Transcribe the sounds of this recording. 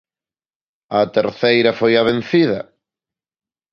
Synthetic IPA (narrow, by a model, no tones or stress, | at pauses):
ɐt̪eɾθejɾɐfojaβen̟θiðɐ